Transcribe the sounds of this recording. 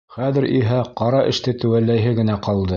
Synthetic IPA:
χæðɘ̆ɾiɦæqɑɾɑʔɘ̆ʃt̪ɘt̪ɘ̆wælːæjɦɘɡɘ̆næqɑlˠd̪ɤ

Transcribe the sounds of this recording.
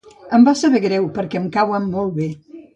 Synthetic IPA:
əmbasəβɛɣɾɛwpəɾkɛəmkawəmːɔlˠβe

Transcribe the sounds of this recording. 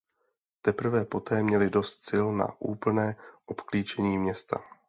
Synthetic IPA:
t̪ɛpr̩vɛpo̞t̪ɛːmɲɛlɪdo̞st̪sɪlna̰ʔuːpl̩nɛːʔo̞pkliːt͡ʃɛɲiːmɲɛst̪a̰

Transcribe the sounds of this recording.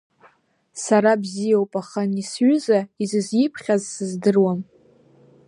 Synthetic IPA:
saɾabzijawpʼaχanisɥʏzaizɨzjɪpʰχʲazsɨzdɨrwam

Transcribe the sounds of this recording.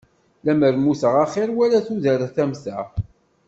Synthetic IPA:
læməɾmusəʁaχɪɾwælæθuðəɾəθæmθæ̰

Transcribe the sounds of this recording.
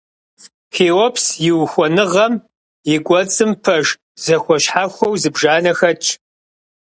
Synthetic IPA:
xeːwɔpʰsjɪwxʷɔnɨʁɐm | jɪɡʷʼɔt͡sʼɨmpʰɐʒ | z̥ɐxʷɔɕħaxʷɔwzɨbʒaːnɐxɐt͡ʃʼʰ

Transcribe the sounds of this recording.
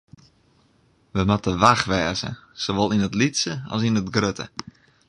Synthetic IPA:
ʋəmatəʋaxʋɛːzə̰soʋolˠinətlitsəɔ̰sinətɡrøtə̰

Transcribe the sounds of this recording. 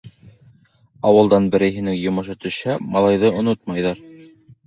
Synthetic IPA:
ɑwɤ̆lˠd̪ɑnbɘ̆ɾɘ̆jɦɘ̆nɘŋjŏmɤ̆ʃɤt̪ɵ̆ʃæmɑlˠɑjðɤŏnot̪mɑjðɑɾ

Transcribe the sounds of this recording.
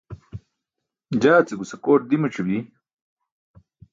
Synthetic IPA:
d͡ʑaːt͡seɡusɐkoːʈ̚d̪imɐʈ͡ʂʰubi

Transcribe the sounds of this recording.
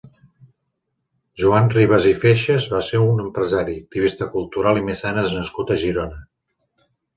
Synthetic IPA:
ʒuanriβ̞əzifeʃəzβaseunəmpɾəzaɾik̚t̪iβist̪əkulˠt̪uɾalˠimesanəznəskut̪əʒiɾonə

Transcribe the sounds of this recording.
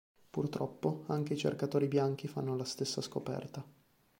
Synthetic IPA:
purt̪ɾɔpːoaŋk̟eit͡ʃḛrkat̪oːɾibjaŋk̟ifanːolast̪esːaskopɛ̰rt̪a

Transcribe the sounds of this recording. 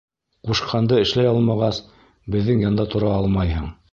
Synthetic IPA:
quʃqʰɑnd̪ɤɘ̆ʃlæjɑlˠmɑʁɑs | bɘ̆ðːɘŋjɑnd̪ɑt̪ʰŏɾɑɑlˠmɑjɦɤɴ

